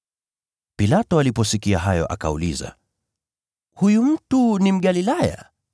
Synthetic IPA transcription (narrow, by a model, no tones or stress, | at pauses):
pilatɔalipɔsikiaɦajɔ̰ʔa̰ka̰ṵliza̰ | hujum̩tunim̩ɠalilaja̰